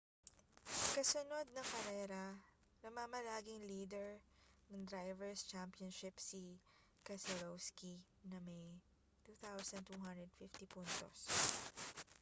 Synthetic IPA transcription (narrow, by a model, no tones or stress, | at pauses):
kɐsʊno̞d̪̚nɐŋkɐɾɛːɾɐ | nɐmamɐlaːɡɪŋliːd̪ɛɹnɐŋd̪ɾajvɛɹst͡ʃampɪjɐnʃɪpsi | kɐsɛlowski | nɐmɐj | t̪uːθawsɐnt̪uːɦand̪ɾɛd̪̚fɪft̪ipunt̪o̰s